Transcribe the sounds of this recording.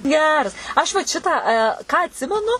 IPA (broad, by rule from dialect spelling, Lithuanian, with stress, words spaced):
ˈɡʲæːrɐs ˈɐʃ ʋɐt ˈʃʲɪtɑː kɑː ɐtʲˈsʲɪmʲɛnʊ